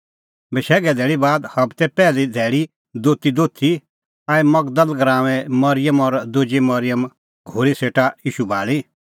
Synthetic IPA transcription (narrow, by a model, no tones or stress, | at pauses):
bɛʃɛːɡɛd̪ʱɛːɭibaːd̪hɐbt̪ɛpɛːlid̪ʱɛːɭi | d̪oːt̪id̪oːt̪ʰi | aːimɐɡd̪əlɡɾãːʋɛmɐɾɪjəmɔɾd̪ʊd͡ʒimɐɾɪjəm | ɡʱoːɾiseːʈajiːʃubʱa̰ːɭi